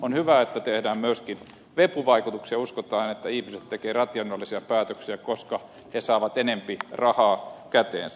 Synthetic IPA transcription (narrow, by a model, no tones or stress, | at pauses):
onhyʋæet̪ːæt̪ehdæːmmyøskin | ʋepuʋɑikut̪uksiɑuskot̪ɑːnet̪ːæihmiset̪t̪ekeːrɑt̪jɑnːolːisiɑpæːt̪øksiækoskɑ | hesɑːʋɑt̪enempirɑhɑːkæt̪ḛːnsæ